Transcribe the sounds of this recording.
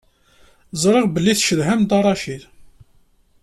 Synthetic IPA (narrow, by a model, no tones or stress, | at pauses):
zˤɾˤɪʁbəlːiθʃəðɦæmt̪ɑrˤːɑʃiθ